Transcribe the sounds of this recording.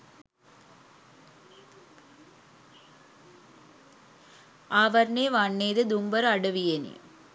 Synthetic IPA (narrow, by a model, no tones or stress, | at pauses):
ʔɐʋɐɾneːʋaɳːeːðɯd̪umbɐɾɐɽɯʋijɐnḭ